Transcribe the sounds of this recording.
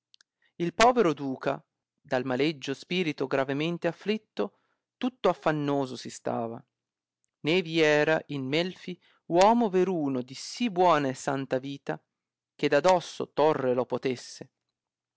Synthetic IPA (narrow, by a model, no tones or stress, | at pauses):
ilpɔːveɾod̪uːka̰ | d̪almaled͡ʒːospiːɾit̪oɡɾavement̪eafːlit̪ːo | t̪ut̪ːoafːanːoːzosist̪a̰ːva̰ | neːviɛːɾaʔinmɛlfi | wɔːmoveɾuːnod̪isibːwɔːnaesːant̪aviːt̪a | k̟ed̪ad̪ɔsːo̰t̪orːelopot̪esːe